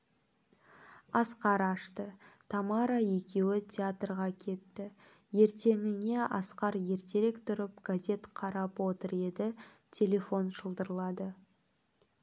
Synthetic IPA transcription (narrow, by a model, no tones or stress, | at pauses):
ɑsqɑɾɑʃt̪ət̪ʰɑmɑɾaje̞kʲe̞wɪt̪ʲʰeat̪rʁɑkʲʰe̞t̪ːɪ | je̞ɾt̪e̞ŋɪne̞ɑ̰sqɑɾje̞ɾt̪ʰe̞ɾekt̪ʰʊɾɪpɡ̥azʲe̞t̪qʰɑɾɑpwo̞t̪əɾe̞d̪ɪ | t̪ʲʰe̞lʲe̞fo̞nʒəlˠd̪əɾəlˠɑd̪ə